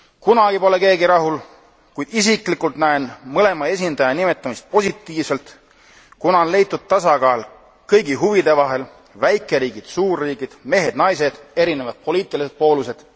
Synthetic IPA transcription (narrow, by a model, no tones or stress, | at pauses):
kunɑɡ̥ipo̞le̞ke̞ːɡiɾɑɦul | kujd̪̥isikˑlikˑult̪næenmɤle̞mɑe̞sʲind̪ɑjɑnime̞t̪ːˑɑmist̪̚po̞sit̪ˑːiːvse̞lt̪ | kunɑnle̞jt̪ːˑud̪̥̚t̪ːɑsɑɡɑːl | kɤjɡiɦuvid̪e̞vɑɦe̞l | væjkːˑe̞ɾiːɡ̥id̪̥suːrːiːɡ̥id̪̥me̞ɦe̞d̪̥nɑjs̬e̞d̪̥e̞ɾine̞vɑd̪̥̚po̞liːt̪ːˑilise̞d̪̚po̞ːluse̞d̪̥